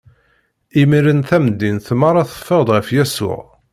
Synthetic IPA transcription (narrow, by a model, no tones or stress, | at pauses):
imiɾənθæmd̪ːinθmɑɾˤɑθə̥fːəʁd̪ˤʁəfjæsʊ̰ʕ